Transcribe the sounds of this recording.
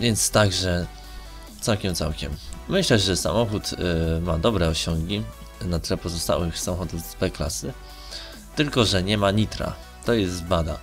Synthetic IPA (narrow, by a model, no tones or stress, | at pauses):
vʲjɛnt̪st̪aɡʐɛ | t̪sawkʲɛmt̪sa̰wkʲɛ̰mːɘɕlɛʐɛsa̰mɔxut̪mad̪ɔbɾɛɔɕɔŋɡʲi | nat̪ɘlɛpɔzɔst̪a̰wɘxsamɔxɔd̪uvvɛkla̰sɘ | t̪ɘlkɔʐɛɲɛmaɲit̪ɾa̰ | t̪ɔjɛst̪bad̪a̰